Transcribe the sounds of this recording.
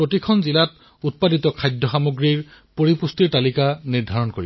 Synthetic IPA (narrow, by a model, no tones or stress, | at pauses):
pɹotikʰɔnzilat | ut̚paditɔkʰajdʱɔxamoɡɹiɹpoɹipustiɹtalikaniɹdʱaɹɔnkoɹḭb